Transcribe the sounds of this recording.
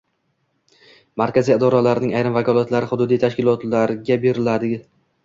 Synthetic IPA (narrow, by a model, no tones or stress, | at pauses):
maɾkʲazijɪd̪ɒɾalaɾɪnɪŋajɾɪmvakʰɒlˠat̪laɾɪχʊd̪ʊd̪ijt̪ʰaʃkʲɪlˠɒt̪laɾɡʲabe̞ɾɪlad̪ɪ